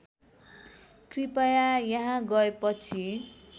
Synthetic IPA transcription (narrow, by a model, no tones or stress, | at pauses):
kripajajaɦãɡʌepʌt͡sʰi